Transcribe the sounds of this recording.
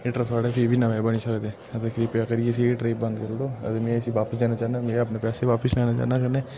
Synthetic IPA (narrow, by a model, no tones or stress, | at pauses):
ɪʈɾət̪ʰaːɽeːpʰiːbiːnaʋeːbəniːsəkd̪ẽː | ət̪eːkʰɾiːpaːkəɾieəs̬iːʈɾeːbə̃nd̪kəɾd̪oːə̰t̪emẽːəsiːʋaːpəsd̪eːnaːt͡ʃaːnaːmẽːəpneːpɛːseːʋaːpəslɛːnaːt͡ʃa̰ːnaːkəɾneː